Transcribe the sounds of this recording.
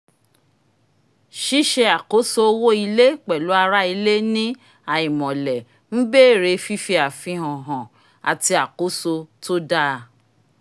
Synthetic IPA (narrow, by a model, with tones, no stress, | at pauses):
ʃi˦ʃe˧a˨ko˨˦so˧wo˦i˧le˦k͡pɛ˨lu˨˦a˧ɾa˦i˧le˦nĩ˦ | a˨i˨mɔ̃˨lɛ˨ | n̩˦be˦˨ɾe˧fi˦fi˧a˨fĩ˧ɦɔ̃˨ɦɔ̃˨ | a̰˨ti˧a˨ko˨˦so˧to˦da˦˧